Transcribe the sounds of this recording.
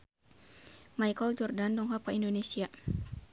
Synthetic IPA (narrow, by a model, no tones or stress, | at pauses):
majkɔld͡ʒɔrdandɔŋɦɔpaindonesia